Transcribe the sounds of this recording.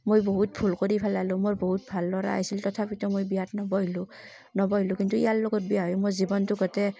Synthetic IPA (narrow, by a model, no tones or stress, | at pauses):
mojboɦut̚bʰʱulkoɹipʰɛlalʊ̃moɹboɦut̚bʱalːɔɹa̰ajsiltɔtʰapitɔmojbiatnɔbɔɦilʊ̃ | nɔbɔɦilʊ̃kintuḭjalːɔɡɔt̚bijaɦɔjʊmozibɔntʊɡɔtɛ